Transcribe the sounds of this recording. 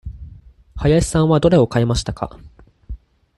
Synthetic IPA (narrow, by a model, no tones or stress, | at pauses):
hajaɕi̥sãɰ̃βad̪o̞ɾe̞o̞kae̞maɕi̥t̪aka̰